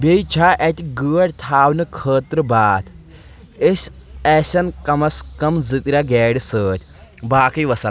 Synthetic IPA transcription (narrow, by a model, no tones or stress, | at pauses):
bejt͡ʃʰaːʔet̪ʲiɡəːɽʲt̪ʰaːwnɨkʰəːt̪ɾɨbaːt̪ʰ | esʲɛːsɐnkɐmɐskɐmzɨt̪ɾʲaɡɛːɖisəːt̪ʰʲbaːkɐjʋɐsɐl